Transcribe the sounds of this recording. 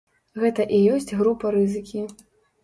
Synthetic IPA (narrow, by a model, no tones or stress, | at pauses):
ɣɛt̪ɐʔijɔsʲt͡sʲɣɾupɐɾɨzɨkʲi